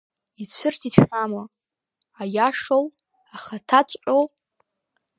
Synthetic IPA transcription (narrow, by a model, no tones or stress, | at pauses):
it͡ɕʷʰɨrtʰitʰama | ajaʂow | aχatʰat͡sʷʼqʼow